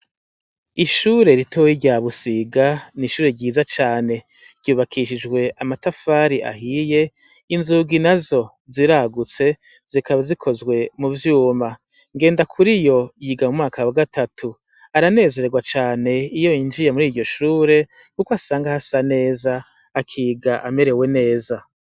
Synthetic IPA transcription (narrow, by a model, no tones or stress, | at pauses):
iʃuːɾe̞ɾitʰoːhiɟaβusiɡaniʃuːɾe̞ɟiːzat͡ʃaːne̞ | ɾ̥ɟ̥uːβakʰiʃ̬id͡ʒɡwe̞ʔamatafaɾiʔa̰hije̞ | inzuːɡinazo̞ | ziɾaɡut͡se̞ | z̥ikaβazikʰo̞zɡwe̞muvjuːma | ŋɡe̞ːndakʰuɾijo̞jiɡamumŋaːkawaɡatʰatʰu | aɾane̞ːze̞ɾe̞ɡwat͡ʃaːne̞ijo̞ind͡ʒijemuɾiːɾɟo̞ʃuːɾe̞ | kukwasaːŋɡahasane̞ːzaː | kʰiːɡaʔame̞ɾe̞we̞ne̞ːza